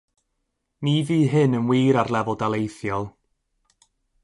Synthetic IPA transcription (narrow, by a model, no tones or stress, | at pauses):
niðiːɦɨnənwiːɾarlˠɛvɔdalˠejθjɔlˠ